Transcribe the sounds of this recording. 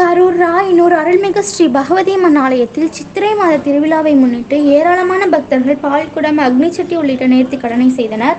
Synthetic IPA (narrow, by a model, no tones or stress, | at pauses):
kɐɾuːɾːaːjɪnːoːɾɯɐɾɯɭmɪɣɐsʈɾibɐɣɐʋɐðeːmɐnaːlɐjɐt̪ːɪlt͡ʃɪt̪ːɪɾɐɪmaːðɐt̪ːɪɾɯʋɪlaːʋɐɪmʊnːɪʈːɯeːɾaːlɐmaːnɐbʱɐk̚t̪ɐɾɣɐɭpaːɭkʊɽɐmɐɡnɐt͡ʃːɐʈːiɔɭːɪʈːɐneːɾt̪ikːɐɽɐnɐɪsɛjðɐnɐɾ